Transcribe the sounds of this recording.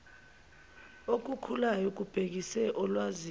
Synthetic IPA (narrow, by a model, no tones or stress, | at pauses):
ok̬ukʰulajɔk̬ub̥ʱek̬isɛʔɔlwazi